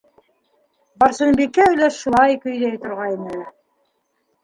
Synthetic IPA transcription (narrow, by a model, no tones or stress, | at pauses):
bɑɾsɤ̆nbikːæɵ̆jlæʃulˠɑjkɵ̆jðæjt̪ŏɾʁɑjinɘ